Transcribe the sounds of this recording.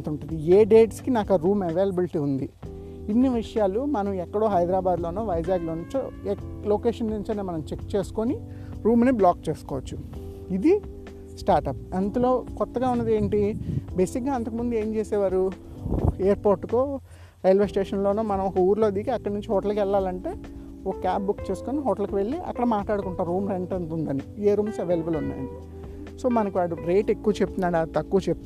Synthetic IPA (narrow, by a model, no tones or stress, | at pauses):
t̪uɳʈund̪ieːɖe̞ːʈskinaːkɐɾuːmɐʋe̞ːlɐbilʈiːund̪i | inːiʋiʂɐjaːlumɐnɐmɛkːɐɽo̞ːɦɐjd̪ɾaːbaːd̪loːnoːʋɐjd͡ʒaːɡlo̞ːnuɲt͡ʃoelo̞ːkeːʂɐnnuɲt͡ʃɐneːmɐnɐmt͡ʃekt͡ʃe̞ːsu̥koni | ɾuːmniblaːk̚t͡ʃeːsu̥kɔːʋɐt͡ʃːu | id̪i | sʈaːɾʈɐp̚ɐnt̪ulo̞ːkɔt̪ːɐɡaːunːɐd̪eːɳʈibe̞ːsik̚ɡaːɐnt̪ɐkɐmund̪ue̞ːɲt͡ʃeːseːʋaːɾu | eːɐɾpoːɾʈːukoː | ɾɐjɐlʋesʈeːʂɐnlo̞ːnuːmɐnɐmɔkɐuːɾlo̞ːd̪ikiɐkːɐɽɐnuɲt͡ʃiɦɔːʈɐlkɛɭːaːlɐɳʈe̞ː | okkaːp̚bukːt͡ʃe̞ːsu̥koːniɦɔːʈɐlɐkiʋe̞ɭːiʔɐ̰kːɐɽɐmaːʈɭaːɽukuɳʈaːɾuːmɾe̞ɳʈɐnt̪und̪ɐnieːɾuːmseʋe̞jlɐbɐlunːa̰ːjɐni | so̞ːmɐnɐkiʋaːɽuɾe̞ːʈe̞kːuʋɐt͡ʃep̚t̪unaːɽaːt̪ɐkːuʋɐt͡ʃep̚t̪u